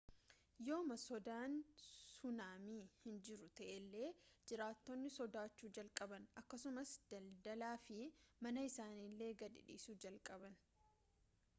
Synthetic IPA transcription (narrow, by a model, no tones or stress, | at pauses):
jo̞ːmɐsɔd̪aːnsʊnaːmiːhɪnd͡ʒɪɾʊt̪ɐʔɛlːe̞ːd͡ʒɪɾaːt̪ːɔnːɪsɔd̪aːt͡ʃːuːd͡ʒɐlkʼɐbɐnɐkːɐsʊmɐsd̪̥ɐld̪ɐlaːfɪmɐnɐɪsaːniːlːe̞ːɡɐd̪ɪ̰ᶑḭːsuːd͡ʒɐlkʼɐbɐn